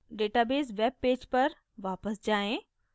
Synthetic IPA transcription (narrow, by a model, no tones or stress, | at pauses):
ɖeːʈaːbeːsʋeːb̚ːeːd͡ʑpɐɾ | ʋaːpəsd͡ʑaːẽ